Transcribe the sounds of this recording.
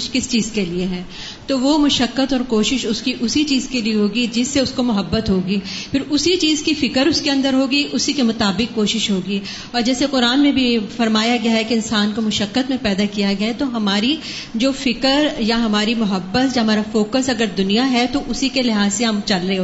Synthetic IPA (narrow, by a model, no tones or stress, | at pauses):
kɪst͡ʃiːzkelieɦɛ̃ː | t̪oʋomʊʃəkːət̪ɔːɾkoːʃɪʃʊskiʔʊsit͡ʃiːzkelieɦoːɡid͡ʒɪsːeʊskomʊɦəbːət̪ɦoːɡiːfʰɪɾʊsit͡ʃiːzkifɪkəɾʊskeɐ̃nd̪əɾɦoːɡiʔʊsikemʊt̪aːbɪkːoːʃɪʃɦoːɡi | ɔːɾd͡ʒɛːseqʊɾaːnmẽbʱifɐɾmaːjaɡɐjaɦɛkeɪnsaːnkomʊʃəkːət̪mẽpɛːd̪akijaɡɐet̪oɦɐmaːɾi | d͡ʒoːfɪkəɾjaɦɐmaːɾimʊɦəbːət̪jaɦɐmaːɾafoːkəsɐɡəɾd̪ʊnijaɦɛt̪oʔʊsikelɪɦaːzseɦɐmt͡ʃɐlɾɐɦe